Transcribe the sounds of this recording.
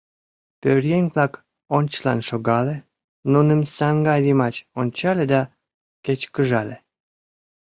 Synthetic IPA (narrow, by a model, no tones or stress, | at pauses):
pørjenʲvlɑk | onʲt͡ɕəlɑnʃoɣɑle | nunəmsɑŋɡɑjlimɑt͡ɕonʲt͡ɕɑled̪ɑ | ket͡ɕkəʒɑle